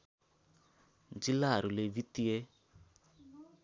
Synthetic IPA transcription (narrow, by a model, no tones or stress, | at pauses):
nd͡ʒilaɾulevitie